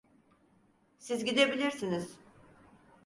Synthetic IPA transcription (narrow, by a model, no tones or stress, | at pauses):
sizɟid̪e̞bilʲiɾsiniz̥